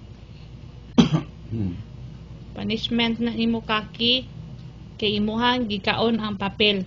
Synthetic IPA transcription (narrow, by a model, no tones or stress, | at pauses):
paniʃment̪naʔnimokaki | keimuɦaŋɡikaʔonaŋpapel